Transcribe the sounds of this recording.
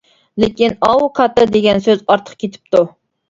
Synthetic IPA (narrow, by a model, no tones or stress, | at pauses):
lekʲinɑwuqʰɑt̪ɨd̪eɡʲɛnsøzɑɾt̪ʰə̥qkʲʰet̪ʰɪ̥p̚t̪u